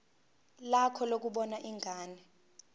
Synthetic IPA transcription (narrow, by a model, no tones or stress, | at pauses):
lakʰɔlok̬uɓɔnaʔiŋʱaːnɛ